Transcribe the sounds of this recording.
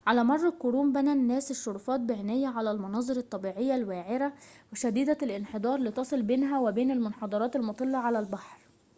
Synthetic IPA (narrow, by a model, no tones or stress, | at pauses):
ʕalæːmɑrˤːɑkoɾuːmbænænːæːsɪʃːoɾˤuːfɑːt̪̚bɪʕenæjːæʕalælmɑnɑːzˤɨɾɑt̪ˤːɑbiːʕejːælwæːʕɪɾæweʃæd̪iːd̪ælʔɪnħed̪ˤɑːɾˤliːt̪ɑsˤelbeːnɦæwebeːnelmʊnħɑd̪ˤɑɾɑːt̪elmʊt̪ˤɨlːɑʕalælbaħɾ